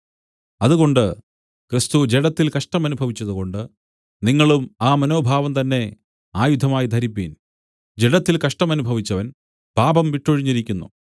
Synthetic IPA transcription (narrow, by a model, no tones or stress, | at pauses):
ɐðuɣo̞ɳɖɨ | kɾist̪ud͡ʑeɽɐt̪ːilkɐʂʈɐmɐnubʱɐʋit͡ɕːɐðuɣo̞ɳɖɨ | niŋːɐɭumaːmɐno̞ːbʱaːʋɐmt̪ɐnːe̞ | aːjud̪ʱːɐmaːjid̪ʱɐɾipːin | d͡ʑeɽɐt̪ːilkɐʂʈɐmɐnubʱɐʋit͡ɕːɐʋɐn | b̥ʱaːbɐmʋiʈːoɻiɲːiɾikʲːunːṵ